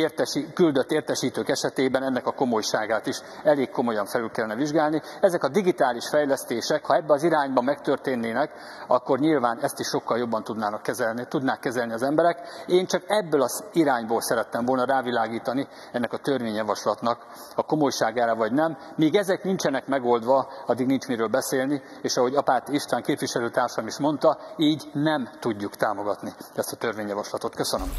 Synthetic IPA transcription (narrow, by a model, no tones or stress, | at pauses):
ert̪ɛikyld̪ø̞t̪ːeːrt̪ɛʃiːt̪øːkɛʃɛt̪eːbɛnɛnːɛkɒko̞mo̞jʃaːɡaːt̪iʃ | ɛleːkkːo̞mo̞jɒɱfɛlylkɛlːɛnɛviʒɡaːlni | ɛzɛkɒd̪iɡit̪aːliʃfɛjlɛst̪eːʃɛkhɒɛbːɛɒziɾaːɲbɒmɛkt̪ørt̪eːnːeːnɛk | ɒkːo̞rɲilvaːnɛst̪iʃːo̞kːɒljo̞bːɒnt̪ud̪naːnkːɛzt̪ud̪naːkːɛzɛlniɒzɛmbɛɾɛkeːnt͡ʃɒkɛbːølɒziɾaːɲboːlsɛɾɛt̪ːɛɱvo̞lnɒɾaːvilaːɡiːt̪ɒni | ɛnːɛkɒt̪ørveːɲjɒvɒʃlɒt̪nɒk | ɒko̞mo̞jʃaːɡaːɾɒvɒɟnɛmːiːɡɛzɛknint͡ʃɛnɛkmɛɡoːld̪ʋɒɒd̪ːiɡnint͡ʃmiɾøːlbɛseːlni | eːʃɒɦo̞ɟɒpaːt̪iiʃt̪aːŋkeːpviʃɛløːt̪aːrʃɒmiʃmo̞nt̪ɒiːɟnɛmt̪uɟːukt̪aːmo̞ɡɒt̪niɛst̪ɒt̪ørvʋeːɲjɒvɒʃlɒt̪o̞t̪køsønøm